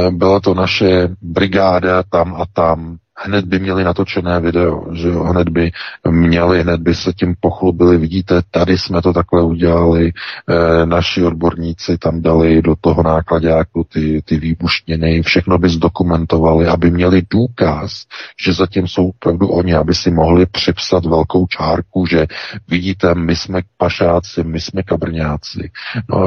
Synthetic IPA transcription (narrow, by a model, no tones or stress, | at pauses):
bɪlat̪o̞naʃɛbɾɪɡaːdat̪amʔat̪am | hnɛd̪̚bɪmɲɛlɪnat̪o̞t͡ʃɛnɛːvɪdɛo̞̰ʒɛoɦnɛd̪bɪmɲɛlɪɦnɛd̪̚bɪsɛcɪmpo̞xlubɪlɪvɪɟiːt̪ɛt̪adɪsmɛt̪o̞t̪aklɛuɟɛlalɪ | naʃɪo̞d̚bo̞ɾɲiːt͡sɪt̪amdalɪdo̞t̪o̞ɦonaːklaɟaːkut̪ɪt̪ɪviːbuʃɲɪnɪfʃɛxno̞bɪzdo̞kumɛnt̪o̞valɪʔabɪmɲɛlɪduːkasʒ̥ɛzacɪmso̞wopɾavduʔo̞ɲɪabɪsɪmo̞ɦlɪpr̝̥ɪpsat̪vɛlko̞wt͡ʃʰaːɾkuʒɛvɪɟiːt̪ɛmɪsmɛpaʃaːt͡sɪmɪsmɛkabr̩ɲaːt͡sɪ̰no̰a